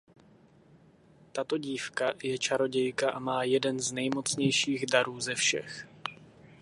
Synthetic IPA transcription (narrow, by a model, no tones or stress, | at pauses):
t̪at̪o̞ɟiːfkajɛt͡ʃaɾo̞ɟɛjkaʔamaːjɛdɛnznɛjmo̞t͡sɲɛjʃiːɣdaɾuːzɛfʃɛ̰x